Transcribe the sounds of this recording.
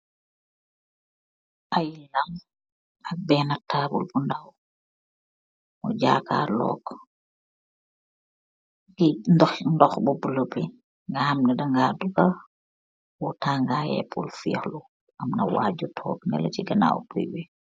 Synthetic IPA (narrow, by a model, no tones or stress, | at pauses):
ʔajilam | ɐk̚bɛːnɐtʰaːbṵlbundaw | mɔɟaːka̰ːlɔ̰ːk | ɡindɔxndɔxbubulopːi | ŋɡahamnidɐŋɡaːduɡɐ | wɔtaːŋɡajɛ̰pʰulfḭxlu | ʔɐmnɐ̰wa̰ːɟutʰɔ̰ːknɛ̰lɐ̰t͡ʃiɡɐna̰ːwbṵjwi